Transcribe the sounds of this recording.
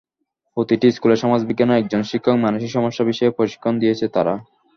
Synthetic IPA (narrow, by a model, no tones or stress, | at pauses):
pot̪iʈiskuleɾʃɔmad͡ʑbiɡːanoɛk̚d͡ʑonʃikʰːokmanuʃiʃɔmoʃːabiʃɔepɾoʃi̥kʰːond̪ijet͡ɕʰet̪aɾa